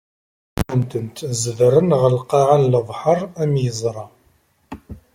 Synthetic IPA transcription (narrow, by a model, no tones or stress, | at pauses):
ənt̪ənt̪zəðɾˤənʁəlqɑʕanləðˤħəɾˤæmjəzˤɾˤɑ